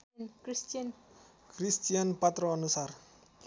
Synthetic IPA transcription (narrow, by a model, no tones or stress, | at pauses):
nkɾistian | kɾist̪ianpat̪ɾɔanusar